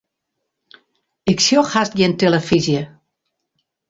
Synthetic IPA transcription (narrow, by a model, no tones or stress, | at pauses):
ɪksjoxhas̚ɡɪntelˠəfizjə